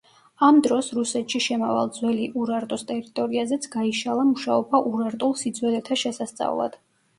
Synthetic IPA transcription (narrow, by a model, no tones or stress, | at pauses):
amd̪ɾɔsɾusɛt̪ʰʃiʃɛmava̰lˠd̪zwɛliʔuɾaɾt̪ʼɔst̪ʼɛɾit̪ʼɔɾiazɛt̪sʰɡ̥aiʃalˠamuʃaɔbaʔuɾaɾt̪ʼulˠsid̪zwɛlɛt̪ʰaʃɛsast̪sʼa̰vlˠa̰d̪̥